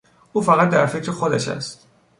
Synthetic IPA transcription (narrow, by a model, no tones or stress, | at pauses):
ʔuːfæɣæt̪̚d̪æɾfecʰɾexod̪æʃæ̰st̪